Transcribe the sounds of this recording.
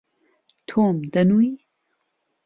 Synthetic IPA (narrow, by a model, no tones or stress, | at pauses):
t̪ʰoːmd̪ɐnui